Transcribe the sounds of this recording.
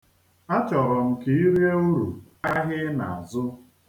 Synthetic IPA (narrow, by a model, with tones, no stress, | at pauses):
a˦t͡ʃɔ˨ɾɔ˨m̩˨ki˨˦i˦ɾe˦o˦ɾu˨ | a˦ɦɪ˦na̰˨a˨zʊ˦